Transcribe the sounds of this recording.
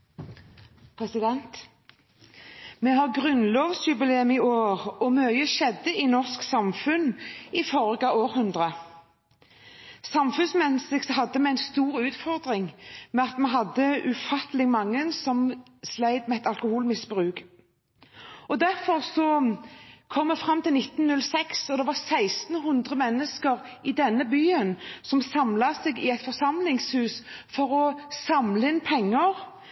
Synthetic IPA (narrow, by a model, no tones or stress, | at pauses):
pʰɾɛsɪd̪ɛnt̪ | mɛɦɑʁɡʁʉnloːʋsjʉbɪleːmɪoːʁɔmœʏəʃɛd̪ːəɪnɔʁsksɑmfʉnɪfɔʁɡɑoːɾhʉnd̪ʁə | sɑmfʉnsmɛnsɪksɦɑd̪ːəmɛæɪnst̪uːʁʉːt̪fɔʁd̪ʁɪŋmɛɑt̪mɛɦɑd̪ːəʉfɑt̪lɪɡmɑŋːənsɔm | slæɪd̪mɛɛt̪ɑlkʊhuːlmɪsbʁʉːk | ɔd̪æʁfɔʁsɔ | kʰɔmːɛfɾɑmːt̪ʰɪlnɪt̪ːnnʉlsɛksɔd̪ɛʋɑʁsæɪst̪n̩ɦʉnd̪ʁəmɛnːəskəʁʔɪd̪ɛnːəbyːənsɔmsɑmlɑseːɡɪ̰æɪt̪fɔʁsɑmlɪŋshʉːsfɔɾɔsɑmləɪnpʰɛŋːəʁ